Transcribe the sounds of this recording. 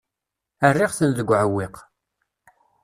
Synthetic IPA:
ərːiʁθənðəɡʷːʕəwːɪq

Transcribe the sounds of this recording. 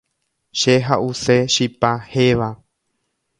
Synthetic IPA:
ʃeɦaʔuse̞ʃipaheʋa

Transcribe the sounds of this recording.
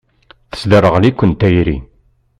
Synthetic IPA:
θə̥sd̪ərˤəʁlikʷːənt̪æjɾḭ

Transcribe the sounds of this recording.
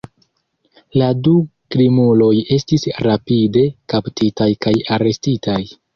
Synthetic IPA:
ladukɾimulo̞je̞stisɾapide̞kaptʰitajkajaɾe̞stitʰaj

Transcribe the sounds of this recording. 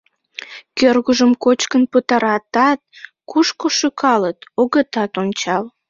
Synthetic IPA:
kørɣuʒəmkot͡ɕkənpət̪ɑɾɑt̪ɑt̪̚kuʃkoʃykʰɑlət̪oɣət̪ɑt̪onʲt͡ɕɑl

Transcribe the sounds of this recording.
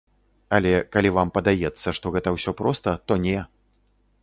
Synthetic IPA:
ɐlʲɛkalʲivampɐd̪ajɛt̪sːɐʂt̪ɔɣɛt̪ɐwsʲɔpɾɔst̪ɐt̪ɔnʲɛ

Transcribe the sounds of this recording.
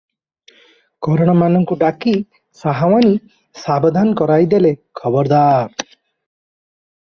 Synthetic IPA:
kɔɾɔɽ̃ɔmanɔŋkuɖaki | saɦawani | sabɔd̪ʱankɔɾajd̪elekʰɔbɔɾd̪aɾ

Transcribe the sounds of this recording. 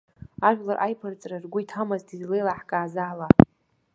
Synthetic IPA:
aʒᶣʷlarʔajpʰɨrt͡sʼrarɡʷʊjtʰamaztʰizlejlaħkʼaːzaːla

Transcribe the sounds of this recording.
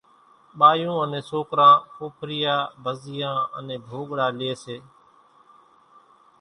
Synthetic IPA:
ɓaːjũːənẽːsoːkɾãːkoːpʰɾɪjaːbəzɪjãːə̰nẽːbʱoːɠɽãːlɪeːseː

